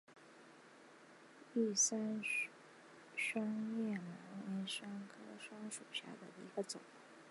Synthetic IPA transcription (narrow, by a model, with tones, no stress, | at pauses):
i˥˩sa˥n | ʂwɑ˥ŋjɛ˥˩ma˧˥ŋa˧˥nʂɑ˥ŋkʰɤ˥ʂwɑ˥ŋʂu˨˩ɕja̰˥˩d̪ə˨˩d̪ə̰˩i˧˥ɡə˧t͡sʊ˨˩˦